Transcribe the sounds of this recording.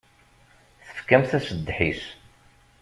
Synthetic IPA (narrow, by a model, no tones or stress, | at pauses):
θə̥fkæmθæsəd̪ːħis